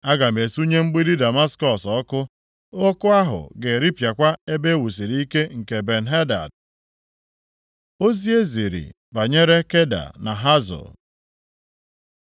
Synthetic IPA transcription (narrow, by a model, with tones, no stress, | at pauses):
a˦ɡa˨me˨su˦ɲe˦ŋ͡m̩˦ɡ͡bi˦ɾi˦da˨ma˦skɔ˨sɔ˦kʊ˦ | o˦kʊ˦a˦ɦʊ̰˨ɡe˨ɾi˦pja˨kʷa˦e˦be˦wu˨s̬i˨ɾi˦i˦ke˦ŋ̩˨ke˨be˨n̩˦ɦe˦da̰˨d̚ | o˦zi˦e˦zi˨ɾḭ˨ | ba˨ɲe˦ɾe˦ke˦da̰˨na˨ɦa˦zʊ̰˨l